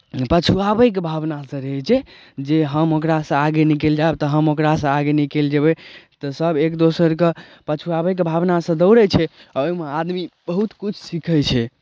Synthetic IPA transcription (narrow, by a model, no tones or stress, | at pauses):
pət͡ʃʰuabəjk̬ebʱabnasə̃ɾeɦɛt͡ʃʰɛ | d͡ʒeɦəmokɾasə̃aɡenikeld͡ʒaebt̪ɔɦəmokɾasə̃aɡenikeld͡ʒəbɛt̪ɔsəbʱekd̪osəɾkepət͡ʃʰuabəjk̬ebʱabnasə̃d̪əʊɾɛt͡ʃʰɛoimead̪mibəɦut̪kut͡ʃʰsikʰət͡ʃʰɛ